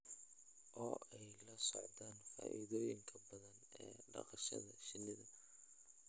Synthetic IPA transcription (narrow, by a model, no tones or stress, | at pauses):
ʔɔːɛjlɐsɔʕðaːnfa̰ːʔḭðɔːjɪŋkʰɐbɐðɐnɛːɖɑ̰qɑʃɐ̰ðɐʃɪnɪðɐ